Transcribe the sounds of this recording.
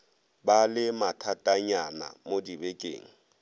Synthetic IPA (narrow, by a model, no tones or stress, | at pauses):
balɪmatʰatʼaɲana̰modibekʼḛːŋ̩